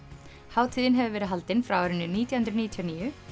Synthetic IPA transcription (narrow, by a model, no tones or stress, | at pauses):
haːwt̪ʰiːðɪnɦɛvʏvɛːɾɪɦalt̪ɪnfɾawɔɾɪnːʏniːt̪jawhʏnɾʏniːt̪ʰjaniːjʏ